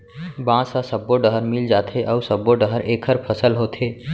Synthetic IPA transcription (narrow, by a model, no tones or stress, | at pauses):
bãːsasəbːoɖəɦəɾmild͡ʒaːt̪ʰeʔɔːʊsəbːoɖəɦəɾeːkʰəɾpʰəsəlɦoːt̪ʰeː